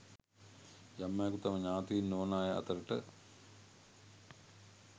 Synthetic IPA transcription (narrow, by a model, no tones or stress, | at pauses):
jɐmːajɐkut̪ɐmɐɲaːt̪iinːoːnaːjɐʔɐ̰t̪ɐɾəʈə